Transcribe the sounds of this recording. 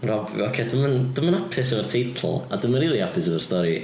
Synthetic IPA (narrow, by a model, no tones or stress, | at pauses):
rɔbɔ̰kʰedəmənd̥əmənapʰɪsəvərtʰejtʰlˠa̰dəməriːlˠiapʰɪsəvərstɔɾi